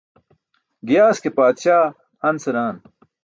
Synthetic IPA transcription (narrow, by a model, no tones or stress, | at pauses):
ɡjaːskepaːd̪ɕaː | ɐnsɐɾaːn